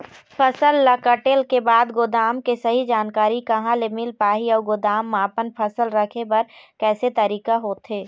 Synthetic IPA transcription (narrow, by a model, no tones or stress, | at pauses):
pʰɐsəlːɐkəʈeːlkebaːd̪ɡʊd̪aːmkesɐɦid͡ʒaːnkaːɾikɐɦãlemɪlpaːɦiɔːɾɡʊd̪aːmːãːpənpʰɐsəlɾɐkʰepɐɾkɛːset̪ɐɾiːkaɦoːt̪ɦeː